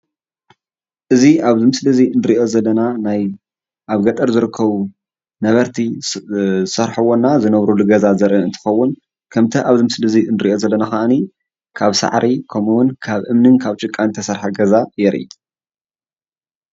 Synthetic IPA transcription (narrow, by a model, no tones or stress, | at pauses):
ʔɨziaβzɨmɨslɨziɨnɨɾiʔo̞zɐlːɐnanaj | ʔaβɡɐt̪ʼɐɾzɨɾɨkʰːɐβu | nɐβɐɾt̪ʰi | sɐɾħɐwonːazɨnɐβɾulɨɡɐzazɐɾɨɨnt̪ʰɨ̥xɐwːʊn | kʰɐmt̪ʰɐʔaβzɨmɨslɨziɨnɨɾiʔo̞zɐlːɐnaxaʔni | kʰaβsa̰ʕɾʔikʰɐmuwʊnkʰaβʔɨmnɨnkʰaβt͡ʃʼɨkʼːant̪ʰɐsɐɾħaɡɐzajɛɾʔḭt̪ʼ